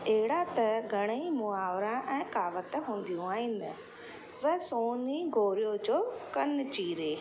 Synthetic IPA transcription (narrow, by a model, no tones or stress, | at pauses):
eːɽaːt̪ɛɡəɽ̃əiːmʊaːʋɾãːʔɛ̃ːkaːʋət̪ɛɦʊ̃nd̪ijõːaːĩːnə | ʋɛːsoːniːɡoːɾɪjoːd͡ʒoːkənt͡ʃiːɾeː